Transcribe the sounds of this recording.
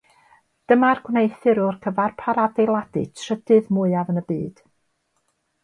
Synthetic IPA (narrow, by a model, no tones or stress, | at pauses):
d̥əmarɡ̥wnejθɨɾʊrkʰəvarpʰaɾadejlˠadɨ̰tʰr̥ədɨðmʊɨavənəbiːd̥